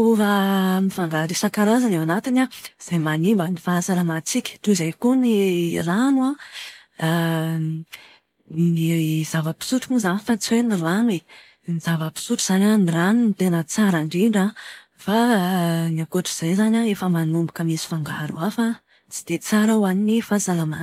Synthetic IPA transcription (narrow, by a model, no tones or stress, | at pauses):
uvamifaŋɡaɾisakaɾazanewanat̪inaz̥ajmanimbanifaasaɾəmat͡sikʲə̥ʈ͡ʂuzajkunilanua | zavəpi̥suʈ͡ʂumuzanifat͡swenilani | nizavəpi̥suʈ͡ʂuz̥anʲaniranunit̪enət͡saɾaɳɖ͡ʐiɳɖ͡ʐa | fa | niakoʈ͡ʂiz̥ajzanaefəmanumbakəmisi̥faŋɡaɾuafa | t͡si̥d̪̥et͡saɾawaninifasalama